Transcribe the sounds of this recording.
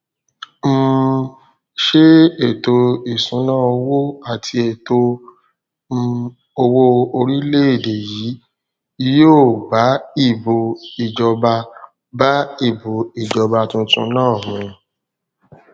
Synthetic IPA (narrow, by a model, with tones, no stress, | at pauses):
m̩˦ | ʃe˦e˨to˧i˨sũ˨˦nãː˦˨o˧wo˦a˨tʰi˧e˨to˧ | o˧wo˧o˧ɾi˦le˦e˦˨de˨ji˨˦ | i˧˦jo˦˨ba˨˦i˦˨bo˧i˨d͡ʒɔ˧ba˧ | ba˦i˦˨bo˨i˨d͡ʒɔ˧ba˧tũ˧˦tũ˧˦nãː˦˨mĩ˨˧